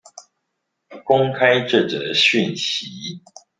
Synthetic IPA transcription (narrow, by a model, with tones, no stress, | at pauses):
kʊ˦ŋkʰa˦ɪʈ͡ʂɤ˥˨ʈ͡ʂə̰˨˩ɕy˥˨nɕi˨˦